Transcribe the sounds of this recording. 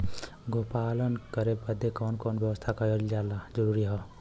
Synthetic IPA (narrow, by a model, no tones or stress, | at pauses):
ɡopalənkəɾebəd̪ʱːekɔːnkonbjəwəst̪ʰakəjold͡ʒalad͡ʒəɾuɾiɦɔ